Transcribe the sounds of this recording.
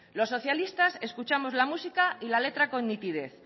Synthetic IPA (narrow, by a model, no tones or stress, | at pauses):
lo̞sːo̞θjalist̪ase̞skut͡ʃamo̞zlamusikailale̞t̪ɾako̞nːit̪ið̞e̞θ